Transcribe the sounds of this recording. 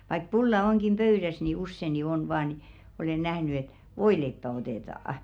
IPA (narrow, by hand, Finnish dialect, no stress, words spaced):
ʋɑik pulːɑ oŋkim pøyɾæs ni usːe ni on ʋɑː ni olen næhny et ʋoileipːæ oteˑtɑˑɑ